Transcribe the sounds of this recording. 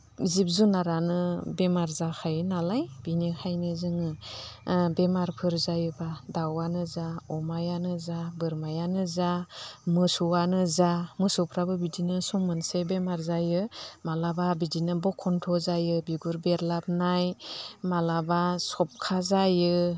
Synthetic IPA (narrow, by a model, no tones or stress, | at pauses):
zip̚zunaɾanɯbemaɾzakʰajɯnalajb̥inikʰajnɯzɯŋɯ | bemaɾpʰɯɾzajɯbadawanɯzaɔmajanɯzabɯɾmajanɯzamɯsuwanɯzamɯsɔpʰɾabɯbidinɯsɔŋmɯnsebemaɾzajɯmalababidinɯbɔkʰːɔntʰɔzajɯbiɡuɾbeɾlap̚najmalabasɔp̚kʰazajɯ